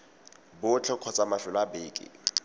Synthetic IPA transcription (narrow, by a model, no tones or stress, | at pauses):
bʊt͡ɬʰɛkʰɔt͡sʼamafɪlabeːkʼɪ̰